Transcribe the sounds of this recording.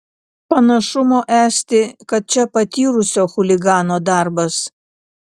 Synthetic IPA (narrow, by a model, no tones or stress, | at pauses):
pɐnɐʃʊmoːʔæːsʲt̪ʲɪkɐt̪̚t͡ʃʲɛpɐt̪ʲiːɾʊsʲoːxʊlʲɪɡɑːnoːd̪ɑˑɾbɐs